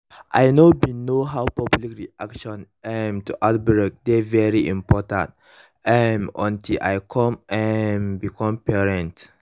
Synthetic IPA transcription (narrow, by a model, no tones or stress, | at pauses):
ʔajnowinoɦawpablikɹiʔakʃɔ̃nʔɛmtuʔat̚bɹɛk̚dɛvɛɹiʔĩmpɔtã̰nt̚ | ɛ̃mɔ̰̃ntilʔajkʰɔ̃mʔɛ̃nbikʰɔ̃mpɛɹɛ̃nt